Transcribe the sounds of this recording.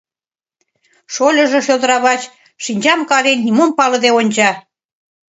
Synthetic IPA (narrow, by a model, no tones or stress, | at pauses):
ʃolʲə̆ʒĕʃølˠd̪ə̆ɾɑβɑt͡ɕ | ʃinʲt͡ɕɑmkɑɾennʲimompɑlɤ̆d̪eonʲt͡ɕɑ